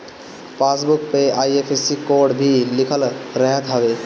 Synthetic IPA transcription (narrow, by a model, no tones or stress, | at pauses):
pas̬buk̚peajepʰesikoɾɖbʱilikʰəlɾəɦət̪ɦəbe